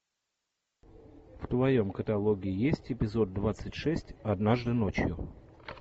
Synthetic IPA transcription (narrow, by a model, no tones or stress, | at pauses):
ft̪vɐjo̞mkət̪ɐlˠoɡʲɪɪjesʲtʲɪpʲɪzo̞d̪̚ːvat̪sɨtʲʂɛsʲtʲɐd̪naʐd̪ɨnot͡ɕjʊ̰